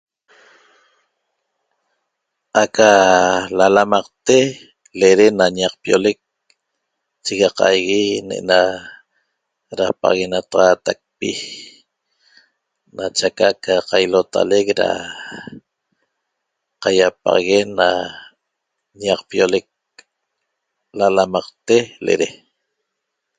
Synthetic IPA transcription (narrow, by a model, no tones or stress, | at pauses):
ʔakalalamɑqt̪e | leɾenaɲaq̚pjolek̚ | t͡ʃiɣɑqɑ̰jɣineʔna | ɾapɑ̰ɑɣenat̪aʁɑːt̪ak̚pi | nat͡ʃakaʔkʰaqajlot̪a̰lekɾa̰ | qajapa̰ʁɣena | ɲaqpjolek̚ | lalamɑqt̪elḛɾe